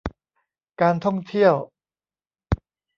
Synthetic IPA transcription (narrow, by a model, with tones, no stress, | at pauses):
kaː˧nt̪ʰɔ˥˩ŋt̪ʰi˥˩əw